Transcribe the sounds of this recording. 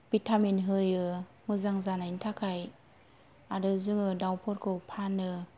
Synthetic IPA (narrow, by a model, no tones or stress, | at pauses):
b̥itʰaminɦɯjɯ | mɯzaŋzanaintʰakʰaj | aɾɯzɯŋɯdawpʰɔɾkʰɯwpʰanɯ